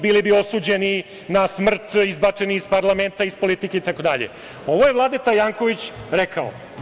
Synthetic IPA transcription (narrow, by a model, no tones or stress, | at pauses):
biːlibio̞suːd͡ʑe̞ni | nasmr̩t̪izbat͡ʂe̞niispaɾlˠame̞nt̪aispo̞lit̪ikeit̪ako̞d̪aʎḛ | o̞ʋoje̞ʋlˠaːd̪et̪ajaːŋko̞ʋit͡ɕɾekao̰